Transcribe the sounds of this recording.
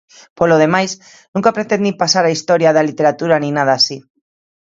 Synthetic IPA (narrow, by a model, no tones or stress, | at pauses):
poloð̞emajs | nũŋkapɾet̪ẽnd̪ipasaɾaist̪oɾjaðalit̪eɾat̪uɾanĩnað̞aːsi